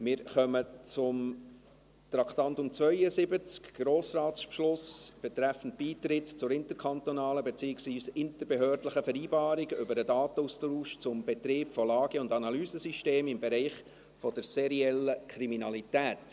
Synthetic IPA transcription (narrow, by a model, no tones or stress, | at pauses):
mɪːɾχœmət͡sʊm | tɾɑkt̪ɑntʊmt͡svœʏəzɪbət͡skɡ̥ɾoːsrɑːtspʃlʊsb̥ɛt̪ɾæfn̩t̚b̥iːtɾɪtt͡sʊɾɪntəɾkʰχɑntɔnɑːləbɛt͡siːɪksʋviːsɪntəɾbeɦøːɾdləχəfɛɾiːbɑːɾɪɡʏbəɾədɑːt̪əustɾuːʃt͡sʊmbɛt̪ɾeːpfɔlɑːɡ̥əʊndɑnɑlyːzəsyʃteːmɪmbɛɾɛɪχ | fɔd̥əɾseɾiɛləkʰɾiminɑlitæːt